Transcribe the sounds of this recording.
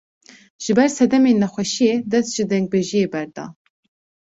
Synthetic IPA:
ʒ̥ɨbɛɾsɛd̪ɛmeːnːɛxʷɛʃijeːd̪ɛst̪ʒ̥ɨd̪ɛŋɡ̚beʒijeːbɛɾd̪ɑ̰ː

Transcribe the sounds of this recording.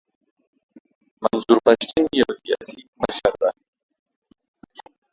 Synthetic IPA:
manzuɾpaʃʈinjawsija̰ːsimaʃaɾd̪a

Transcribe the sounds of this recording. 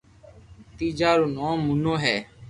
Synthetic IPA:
t̪iːd͡ʒaːɾoːnõːmʊnõːɦɛː

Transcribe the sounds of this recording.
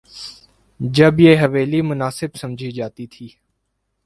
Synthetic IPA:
d͡ʒəbjeːɦəʋeːlimʊnaːsɪbsəmd͡ʒʱid͡ʒaːt̪it̪ʰiː

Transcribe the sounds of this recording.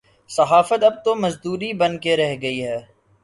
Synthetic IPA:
sɐɦaːfət̪ɐb̚t̪omɐzd̪uːɾibɐnkeɾɛɦɡɐiɦɛː

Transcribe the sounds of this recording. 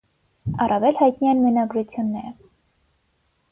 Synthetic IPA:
ɑrɑvɛlhɑjt̪niɛnmɛnɑɡɾut͡sʰjunːɛ̰ɾə

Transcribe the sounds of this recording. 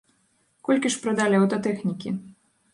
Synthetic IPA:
kɔlʲkʲiʂpɾɐd̪alʲiɐwt̪ɐt̪ɛxnʲikʲi

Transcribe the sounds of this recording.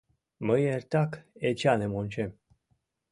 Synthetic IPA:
məjeɾt̪aket͡ʃanemonʲt͡ʃem

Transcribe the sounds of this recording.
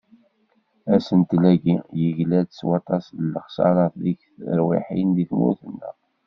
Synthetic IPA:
æsənt̪læɡijəʝlædswɑt̪ˤɑslːəχsɑ̰ɾˤɑθliçθə̰ɾwḭħḭnðiθmṵθənːə̰

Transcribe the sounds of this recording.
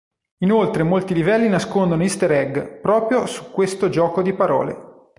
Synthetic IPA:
inolt̪ɾemolt̪ilivɛlːinaskond̪onoist̪eɾɛɡpɾɔːpɾjosu̥kːwest̪od͡ʒɔːkod̪ipaɾɔ̰ːlḛ

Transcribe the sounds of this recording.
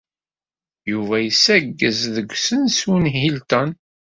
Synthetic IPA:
juvæjəsæɡːəzðəɡʷsənsunɦilt̪ən

